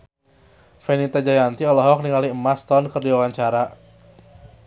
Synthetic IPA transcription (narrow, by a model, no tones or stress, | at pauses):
fɛnit̪ad͡ʒajant̪iɔlɔɦɔk̚niŋaliəmast̪ɔnkərdiwawaɲt͡ʃaɾa